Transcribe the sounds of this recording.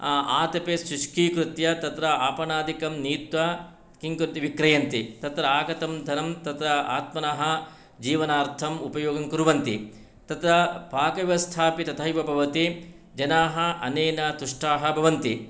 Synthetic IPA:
aʔaːt̪ɐpesɾuʃkiːkɾut̪jɐt̪ɐt̪ɾɐaːpɐɳaːd̪ʱikɐmniːt̪ʋa | kiŋkɾut̪iʋikɾɐjɐnt̪it̪ɐt̪ɾɐaːɡɐt̪ɐmd̪ʱɐɾɐmt̪ɐt̪ɾɐa̰ːt̪mɐnɐɦɐ | d͡ʒiːʋɐnaːɾt̪ʰɐmupɐjoːɡɐŋkuɾʋɐnt̪ḭ | t̪ɐt̪ɾɐpaːkɐʋiʋɐst̪ʰaːpit̪ɐt̪ʰɐjʋɐbʱɐʋɐt̪i | d͡ʒɐnaːɦɐʔɐ̰neːnɐt̪uʂʈaːɦɐbʱɐʋɐnt̪i

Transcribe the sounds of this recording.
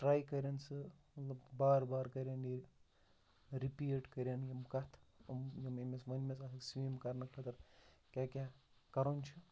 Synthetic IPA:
ʈɾaːjkɐɾʲjɐnsɨ | mɐt̪lɐbbaːɾbaːɾkɐɾʲjanji | ɾipieʈkɐɾʲjanjimkɐt̪ʰumjimemesʋɐnmʲes̬at̪ʰɐksʋiːmkɐɾnɐkʰlʰɐt̪ɐɾkʲaːkʲa | kɐɾonʲt͡ʃʰu

